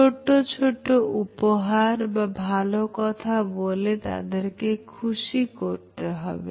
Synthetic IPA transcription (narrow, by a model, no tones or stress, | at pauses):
t͡ʃoʈot͡ʃʰoʈoʔupɔɦaɾbabʱalokɔt̪ʰabolet̪a̰d̪eɾkekʰusikoɾt̪eɦɔ̰bḛ